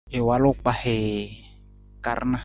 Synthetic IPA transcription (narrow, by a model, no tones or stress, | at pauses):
ewalok͡pahe | kaɾna